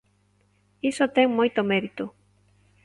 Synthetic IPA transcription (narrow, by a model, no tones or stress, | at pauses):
isot̪eŋmojt̪omeɾit̪ʊ